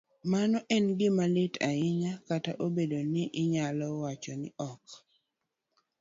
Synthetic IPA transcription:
manɔʔɛnɡɪmalɪtʰaɪɲakataʔobedonɪʔɪɲalɔwat͡ʃɔnɪʔɔk

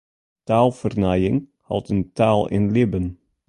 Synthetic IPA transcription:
taːlˠfərnajɪŋ | hɑ̰lˠtəntaːlˠɪ̰nlɪbən

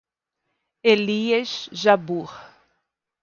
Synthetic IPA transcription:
eliesʒabuχ

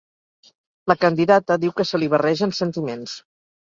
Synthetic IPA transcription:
ləkənd̪iðat̪əðiwkəsəliβərɛʒənsənt̪imens

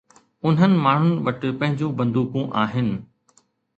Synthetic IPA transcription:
ʊn̤ənɪ̆maːɳ̤ʊnɪ̆ʋɐʈɪpɐ̃ɦɪ̃ɲd͡ʑũbɐ̃nd̪uːkũʔaːɦɪnɪ̆

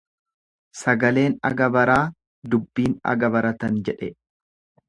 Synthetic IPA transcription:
sɐɡɐle̞ːnɐ̰ɡɐbɐɾaː | d̪ʊbːiːnɐ̰ɡɐbɐɾɐt̪ɐnd͡ʒɛᶑɛ

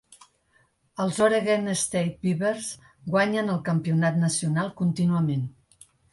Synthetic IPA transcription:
əlˠzoɾeɣenəst̪ejt̪̚biβeɾz | ɡwaɲənəlˠkəmpiunat̪nəsiunalˠkunt̪inuəmen

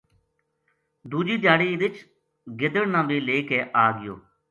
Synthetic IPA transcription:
d̪uːd͡ʒiːd̪jaːɽiːʋɪt͡ʃ | ɡɪd̪əɽnãːbiːleːkeːʔaːɡɪjo̰ː

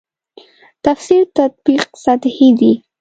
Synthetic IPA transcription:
t̪afsiɾt̪at̪̚biq̚sat̪hid̪i

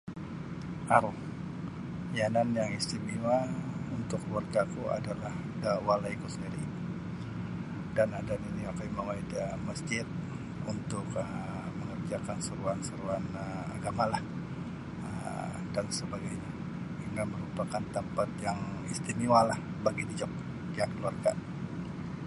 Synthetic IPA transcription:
aɾʊh | jananjaŋist̪imiwaunt̪ʊkwarɡakua̰dalah | dawalaikusəndiɾi | danadaniniakajmaŋaidamasd͡ʒɪt̪̚ | unt̪ʊkə | məŋərd͡ʒakansəɾuansəɾuanəa̰ɡamalah | ə̰ | dansəbaɡajɲa | əŋɡaməɾupakant̪əmpat̪̚jaŋḭst̪imiwalah | baɡidid͡ʒɔp̚ | jaŋkəluarɡa

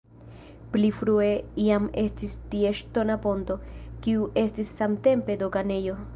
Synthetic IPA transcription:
plifɾue̞iame̞stistieʃto̞napo̞nto̞kiuʔe̞stisːamte̞mpe̞doɡane̞jo̞

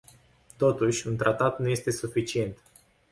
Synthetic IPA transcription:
t̪o̞t̪uʃʲunt̪ɾat̪at̪nuje̞st̪e̞sufit͡ʃie̞nt̪

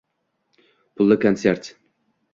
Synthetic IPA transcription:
pʰʊlˠːɪkʰant̪seɾt̪

